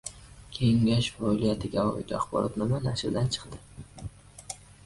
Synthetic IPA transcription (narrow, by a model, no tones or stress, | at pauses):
kʲʰe̞ŋɡʲaʃfɒlijat̪ʰɪɡʲaɒ̰ɪ̰t̪ʰa̰χbɒ̰ɾʔɒ̰t̪nɪmanaʃɾd̪ant͡ʃʰɨ̥qt̪ɪ